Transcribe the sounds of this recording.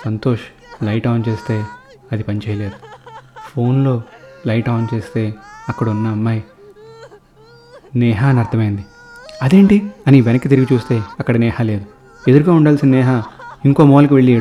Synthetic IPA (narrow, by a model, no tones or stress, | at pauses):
sɐnt̪o̞ːʂ | lɐjʈaːnt͡ʃe̞ːst̪e̞ː | ɐd̪ipɐnit͡ʃeːjɐle̞ːd̪u̥pʰo̞ːnlo̞ːlɐjʈaːnt͡ʃe̞ːst̪e̞ːɐkːɐɽɐunːɐːmːaːj | nɛːɦaːnɐɾt̪ʰɐmɐjind̪i | ɐd̪e̞ːɳʈiɐniʋenɐkːit̪̬iɾiɡit͡ʃuːst̪e̞ːɐkːɐɽɐnɛːhɐle̞ːd̪u | ed̪uɾuɡaːuɳɖaːlsinɐnɛːɦaiŋko̞ːmoːlɐk̬iʋeɭːiː